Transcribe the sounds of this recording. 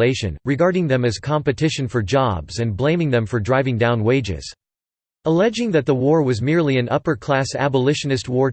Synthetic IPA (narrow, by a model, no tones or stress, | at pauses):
eɪʃɨ̰̃nɹɨɡɑɹɾɪ̃ŋðɨ̃mɨz̥kʰɑ̃mpɨtʰɪʃɨ̃nfə˞d͡ʒɑ̰bz̥ɨ̃nblẽɪ̃mɪ̃ŋðɛ̃ɱfə˞dɹaɪvɪ̃ŋdãʊ̃nweɪd͡ʒɪ̰z̥ | əlɛd͡ʒɪ̃ŋðɨt̪̚ðəwɔɹwʌzmɪɹliɨ̃nʔʌpə˞kʰl̥æsæ̰bəlɪʃɨnɨst̚wɔɹ